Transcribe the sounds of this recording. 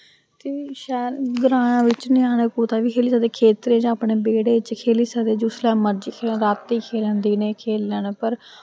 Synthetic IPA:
t̪eːʃɛːɾɡəɾãːnãːʋɪt͡ʃnɪ̃aːñekuːt̪aːʋiːkʰeːliːsad̪eːkʰeːt̪ɾẽːd͡ʒãːaːpɳeːbeːɽeːɪt͡ʃkʰeːliːsəːd̪eːd͡ʒʊslɛːməɾd͡ʒiːkʰeːlːɾaːt̪ːiːkʰeːlə̃ːnd̪iːneːkʰeːləɳpəɾ

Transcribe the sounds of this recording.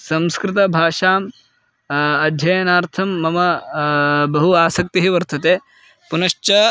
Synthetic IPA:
sɐ̃mskɾɪt̪̬ɐbʱaːʂaːm | ɐd̪ʱjɐjɐnaːɾt̪ʰɐmːɐmɐ | bɐɦuaːsɐk̚t̪iɦiʋɐɾt̪ʰɐt̪eː | punɐʂt͡ʃɐ

